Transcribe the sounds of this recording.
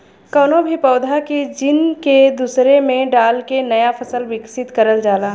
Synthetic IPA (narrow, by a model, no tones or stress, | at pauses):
kɔːnobʱipɐʊd̪ʱaked͡ʒɪnked̪uːsɾemẽɖaːlkenɐjafʰɐsəlʋɪksɪt̪kɐɾəld͡ʒaːlaː